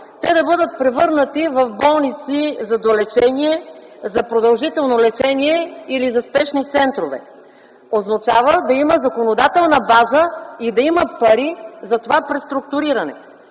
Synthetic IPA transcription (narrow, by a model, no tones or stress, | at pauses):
t̪ɛd̪ɐbɤd̪ət̪̚pɾɛvɤɾnət̪ivɐvbɔlˠnit̪sizɐd̪olɛt͡ʃɛniɛ | zɐpɾod̪ɐlˠʒit̪ɛlˠnolɛt͡ʃɛniɛilizɐspɛʃnit̪sɛnt̪ɾovɛ̰ | oznɐt͡ʃavəd̪ɐiməzɐkonod̪at̪ɛlˠnəbazəid̪ɐiməpɐɾizɐt̪ovapɾɛst̪ɾuk̚t̪ʊɾiɾɐnɛ̰